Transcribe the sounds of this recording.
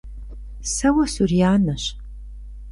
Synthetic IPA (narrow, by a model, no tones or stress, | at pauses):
sɐwɐsurijaːnɐɕ